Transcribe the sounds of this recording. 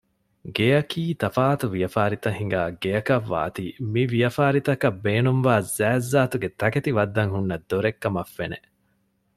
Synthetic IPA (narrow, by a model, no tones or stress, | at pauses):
ɡejɐkiːt̪ɐfaːt̪uʋijɐfaːɾit̪ɐɦiŋɡaːɡejɐkɐʋːa̰ːt̪imiʋijɐfaːɾit̪ɐkɐbːeːnumʋaːzæːzːaːt̪uɡet̪ɐket̪iʋɐd̪ːɐŋhunːɐd̪ːoɾekːɐmɐfːenḛ